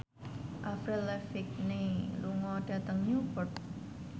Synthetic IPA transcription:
ʔafɾɛlɛfɪk̚neluŋɔɖ̥a̤t̪əŋɲupɔrt̪̚

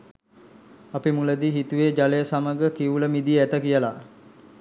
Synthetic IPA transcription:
apimuləd̪iɦit̪uʋed͡ʒaləjəsaməɡəkiʋuləmid̪ijəæt̪əkijəla

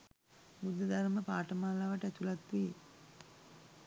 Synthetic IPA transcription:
bud̪ːəd̪aɾməpaːʈəmaːlaːʋəʈəæt̪ulat̪ʋeː

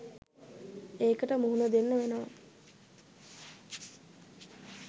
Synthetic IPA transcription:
eːkəʈəmuɦunəd̪enːəʋenoʋa

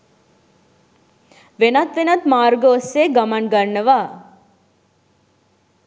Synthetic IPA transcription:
ʋenɐt̪ʋenɐt̪maːɾɡəoseɡɐmɐnɡɐɾɳəʋaː

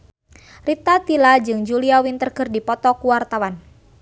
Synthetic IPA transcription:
rit̪at̪ilad͡ʒɨŋd͡ʒuliawint̪ərkɨrdipɔt̪ɔkuwart̪awan

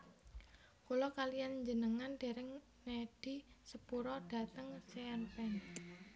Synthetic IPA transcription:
kulɔkalijanɲd͡ʒənəŋand̥eɾɪŋ | neɖ̥isəpuɾɔɖ̥ä̤t̪əŋseanpɛn

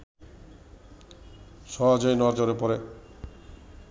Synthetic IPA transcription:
ʃɔɦad͡ʑoenɔaɾd͡ʒoɾepɔɾe

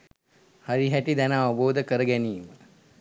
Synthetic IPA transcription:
haɾiɦæʈid̪ɛnəaʋəboːd̪əkəɾəɡæniːmə

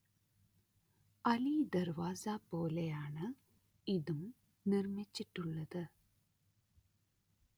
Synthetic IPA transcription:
ɐliːd̪ɐɾʋaːsaːpoːlɐjaːɳɐ | iðɯm | nɪrmɪt͡ʃːiʈːɯɭːɐðɨ

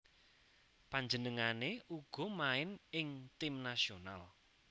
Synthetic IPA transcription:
paɲd͡ʒənəŋaneʔuɡ̥ɔ̤maɪnɪŋt̪ɪmnasiona̰l

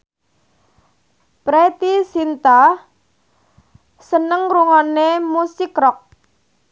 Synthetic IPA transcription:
pɾet̪isint̪a | sənəŋɾuŋanemusikɾɔk̚

